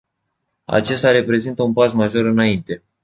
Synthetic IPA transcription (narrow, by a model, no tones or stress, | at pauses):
a̰t͡ʃe̞st̪aɾe̞pɾe̞zint̪əunpasmaʒo̞ɾɨnaint̪e̞